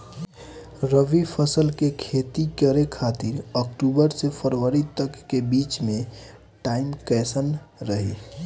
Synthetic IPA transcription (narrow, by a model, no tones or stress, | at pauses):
ɾəʋipʰəsəlkekʰet̪ikəɾekʰat̪iɾəkʈubəɾsepʰəɾʋəɾit̪əkːebit͡ʃmẽ | ʈaimkɛsənɾəɦḭ